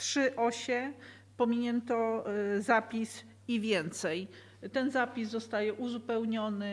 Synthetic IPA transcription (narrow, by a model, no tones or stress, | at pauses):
tʂɘʔɔɕɛ | pɔmʲiɲɛnt̪ɔzapʲis | ivʲjɛnt̪sɛj | t̪ɛnzapʲizzɔst̪ajɛʔuzupɛwɲɔnɘ